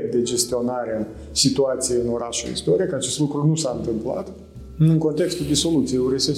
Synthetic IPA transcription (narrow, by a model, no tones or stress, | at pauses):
d̪e̞d͡ʒe̞st̪io̞naɾe | sit̪uat̪sijeɨno̞ɾaʃṵḭst̪oɾiekəat͡ʃe̞st̪lukɾunusaɨnt̪ɨmpla̰t̪ | ɨŋko̞nt̪e̞kst̪uld̪eso̞lut̪sijeuɾese